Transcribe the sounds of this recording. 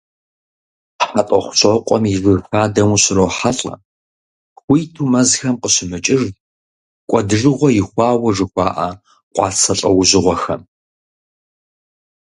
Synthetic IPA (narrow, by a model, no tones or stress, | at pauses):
ħatʼɔχʷʊ̥ɕʼɐqʷʼɔ̰mivɨfaːdɐmuɕɪɾoːħaɬʼɐ̰ | wʷijtʰuːmɐzxɐmqəɕɪmɨt͡ʃʼɪr | kʷʼɔdɨʐɨʁʷɔjɪxʷɑːwɐʐɨxʷɑːʔa̰ | qʷʼɑ̰ːt͡sʰɐɬʼɐ̰wʊʑɨʁʷɔxɐ̰m